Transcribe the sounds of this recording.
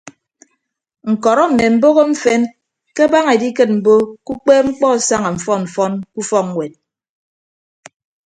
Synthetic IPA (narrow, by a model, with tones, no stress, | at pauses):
ŋ̩˨kɔ˨ɾɔ˦m̩˨me˨m̩˦bo˦ɣo˦ɱ̩˦fe˦n | ke˦ba˦ŋe˨di˦kɨ˦t̚m̩˨bo˦ku˦k͡pe˦ŋ͡m̩˦k͡pɔ˦˨sa˦ŋa˨m̩˨fɔ˦nm̩˨fɔ˦nku˦fɔ˦kŋ˨wʷe˨t̚